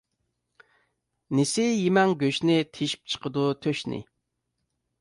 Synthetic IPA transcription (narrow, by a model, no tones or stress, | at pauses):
nɪsɪjemɛŋɡʲøʃnɪt̪ʰeʃi̥p̚t͡ʃʰə̥qʰəd̪ut̪ʰøʃnɪ̰